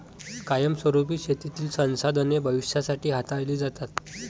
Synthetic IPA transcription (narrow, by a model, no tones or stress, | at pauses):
kajəmsʋəɾup̬iːɕet̪it̪iːlsə̃w̃sad̪ənebʱəʋiɕasaʈiːɦat̪aɭliːd͡zat̪at̪